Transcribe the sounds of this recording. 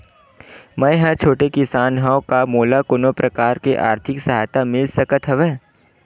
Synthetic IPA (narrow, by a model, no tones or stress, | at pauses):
mɐ̃jɦə̃t͡ʃʰoːʈekɪsaːnɦaokamoːlakʊnõpɾʔɐkaːɾkeʔa̰ːɾt̪ʰɪksɐɦaːjt̪amɪlsɐkət̪ɦɐʋeː